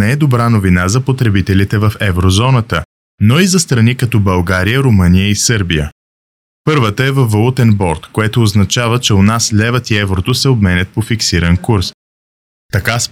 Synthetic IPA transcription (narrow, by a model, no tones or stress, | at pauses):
ɛɛd̪obɾanovinazɐpot̪ɾɛbit̪ɛlit̪ɛvɐfɛvɾozɔnət̪ə | noizɐst̪ɾɐnikɐt̪ɔbɐlˠɡaɾijəɾomɤnijəisɤɾbijə̰ | pɤɾvət̪əɛvɐfːɐlˠut̪ɛnbɔɾt̪koɛt̪oːznɐt͡ʃavət͡ʃɛonaslʲɛvət̪iɛvɾot̪osɛobmɛnʲət̪̚pofiksiɾɐnkuɾs | t̪ɐkas